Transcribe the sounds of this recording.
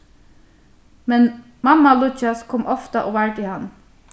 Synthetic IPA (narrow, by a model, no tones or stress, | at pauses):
mɛn | mɑmɑlʊt͡ʃɑskʰɔmʔɔft̪ɑʔoːʋæɹd̪iːhɑn